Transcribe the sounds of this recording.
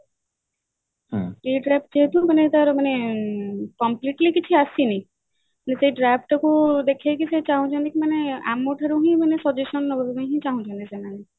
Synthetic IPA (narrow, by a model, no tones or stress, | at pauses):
piɖɾap̚ʈ̚d͡ʒeɦet̪ũmanet̪aɾmane | kɔmpliʈlikit͡ʃʰiasinĩ | manesejɖɾap̚ʰʈɔkud̪ekʰakiset͡ʃaɦũt͡ʃʰɔnikimanea̰moʈʰaɾuɦĩmanesɔd͡ʒesɔnːɔbɔubẽɦĩt͡ʃaɦũt͡ʃʰɔnisenane